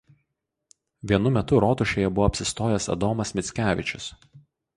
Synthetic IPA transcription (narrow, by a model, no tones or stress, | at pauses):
ʋʲiɛnʊmʲɛt̪ʊɾɔːt̪ʊʃʲeːjɛbʊʋoːpʲsʲɪst̪oːjɛsɐ̰d̪ɔːmɐsmʲɪt̪sʲkʲæːʋʲɪt͡ʃʲʊs